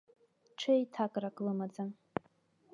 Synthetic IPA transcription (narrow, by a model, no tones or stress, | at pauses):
ʈ͡ʂʷʰejtʰakʼrakʼlɨmad͡za